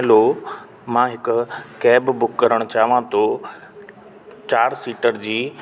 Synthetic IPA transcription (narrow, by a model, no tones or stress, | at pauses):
lo | mãːɦɪkʊkɛːbbʊkːɐɾəɽ̃ʊt͡ɕaːʋãt̪ʰo | t͡ɕaːɾsiːʈəɾd͡ʑiː